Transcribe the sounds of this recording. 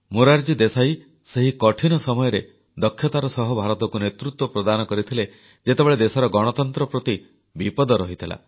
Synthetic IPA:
muɾaɾd͡ʒid̪esaj | seɦikɔʈʰinɔsɔmɔjɔɾe | d̪ɔkʰːjɔt̪aɾɔsɔɦɔbʱaɾɔt̪ɔkunet̪ɾut̪wɔpɾɔd̪anɔkɔɾit̪ʰile | d͡ʒet̪ebeɭed̪esɔɾɔɡɔɽ̃ɔt̪ɔnt̪ɾɔpɾɔt̪i | bipɔd̪ɔɾɔɦit̪ʰila̰

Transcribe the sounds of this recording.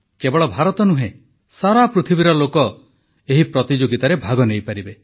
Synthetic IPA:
kebɔɽɭɔbʱaɾɔt̪ɔnuɦẽ | saɾapɾut̪ʰibiɾɔlokɔ | eɦipɾɔt̪id͡ʒoɡit̪aɾebʱaɡɔnejpaɾibe

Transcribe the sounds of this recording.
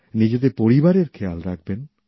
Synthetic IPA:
nid͡ʑed̪epoɾibaɾeɾkʰealɾak̚ʰben

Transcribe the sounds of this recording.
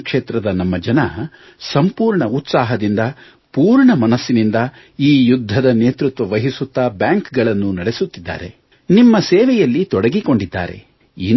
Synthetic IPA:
kʂeːt̪ɾɐd̪ɐnɐmːɐd͡ʒɐnɐ | sɐmpuːɾɳɐut̪saːɦɐd̪ind̪ɐ | puːɾɳɐmɐnɐsːinind̪ɐ | iːjud̪ʱːɐd̪ɐneːt̪ɾut̪ʋɐʋɐɦisut̪ːaːbjaːŋkɡɐɭɐnːunɐɽe̞sut̪ːid̪ːa̰ːɾe̞̰ | nimːɐseːʋɛjɐlːit̪ɔɽɐɡiko̞ɳɖid̪ːa̰ːɾe̞̰ | i

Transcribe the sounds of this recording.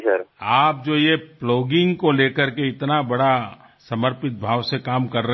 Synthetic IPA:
sɐɾaːp̚d͡ʒoːjeploːɡɪ̃ŋɡkoleːkəɾkeɪt̪nabɐɽa | sɐməɾpɪt̪̚bʱaːʋsekaːmkɐɾːə

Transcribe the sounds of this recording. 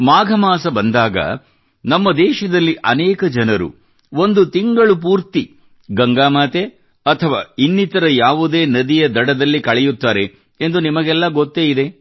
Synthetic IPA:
maːɡʱɐmaːsɐbɐnd̪aːɡɐ̰ | nɐmːɐd̪ɛːʃɐd̪ɐlːiʔɐnɛːkɐd͡ʒɐnɐɾṵ | o̞nd̪ut̪iŋɡɐɭup̬uːɾt̪i | ɡɐŋɡaːmaːt̪e | ɐt̪ʰɐʋaːinːit̪ɐɾɐjaːʋud̪eːnɐd̪ijɐd̪ɐɽɐd̪ɐlːikɐɭɛjut̪ːaːɾe̞ | end̪unimɐɡɛlːɐɡot̪ːe̞ːid̪e̞

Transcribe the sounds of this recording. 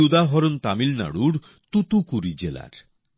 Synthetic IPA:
ud̪aɦɔɾont̪amilna̰ɽuɾ | t̪ut̪ukuɾid͡ʑela̰ɾ

